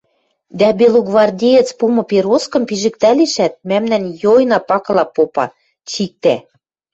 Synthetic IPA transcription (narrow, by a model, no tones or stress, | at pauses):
d̪æbeloɡvɑrdʲejet͡spumɤ̆peɾoskɤ̆mpiʒɘ̆k̚t̪æliʃæt̪̚mæmnænjojnɑpɑkɤ̆lˠɑpopɑ̰ | t͡ɕik̚t̪æ